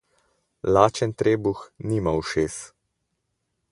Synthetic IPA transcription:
laːt͡ʃɛnt̪ɾeːbuxnimawʃeːs

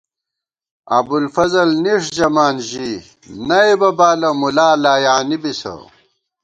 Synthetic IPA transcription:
ɐ̰bulfɐzɐlniʂd͡ʑɐmaːnʑi | nɐebɐbaːlɐmulaːlaːjaːnibisɐ̰

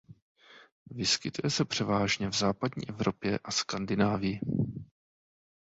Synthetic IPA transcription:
vɪskɪt̪ujɛsɛpr̝̥ɛvaːʒɲɛvzaːpadɲḭːʔɛvɾo̞pjɛʔaskandɪnaːvɪjɪ

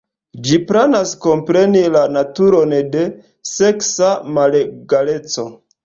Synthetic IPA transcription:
d͡ʒipɾenasko̞mpɾe̞nilanatuɾo̞nde̞ | se̞ksamaleɡale̞t͡so̞

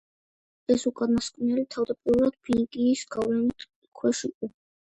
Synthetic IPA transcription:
ɛsukʼanaskʼnɛlit̪ʰavd̪apʼiɾɾad̪̥̚pʰiŋkʼiːsɡavlɛnit̪ | kʰwɛʃiqʼɔ

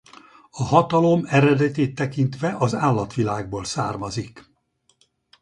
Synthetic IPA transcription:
ɒɦɒt̪ɒlo̞mɛɾɛd̪ɛt̪eːt̪ːɛkint̪ʋɛʔɒzaːlːɒt̪ʋilaːɡ̚boːlsaːrmɒzik

